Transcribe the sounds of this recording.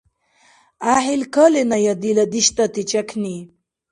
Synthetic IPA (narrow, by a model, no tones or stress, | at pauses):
aːɦilkəlenajad̪ilad̪iɕt̪at̪it͡ʃakʰni